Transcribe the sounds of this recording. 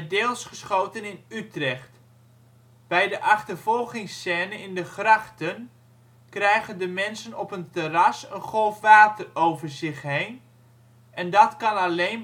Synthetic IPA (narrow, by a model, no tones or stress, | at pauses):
dɪːlˠsχəsχowtənɪnytrɛχt | b̥ɛjdəʔɑχtərvɔlˠχɪŋsɛːnəɪndəχrɑχtən | krɛjɣəndəmɛnsənɔpəntərɑsənχɔlˠfʋaːtərowvərzɪχɦejn | ɛndɑtkɑnɑlejn